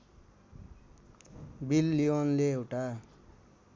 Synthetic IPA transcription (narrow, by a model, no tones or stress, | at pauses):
bilːionleewʈa